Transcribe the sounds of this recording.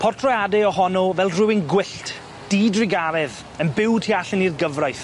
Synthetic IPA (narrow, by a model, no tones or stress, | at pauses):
pʰɔrtʰrɔjadɛɔhɔnɔvɛlˠrɪwɪnɡwɪɬt | d̥iːdrɪɡavɛð | ənbɪwdhiaɬɪnirɡəvrajθ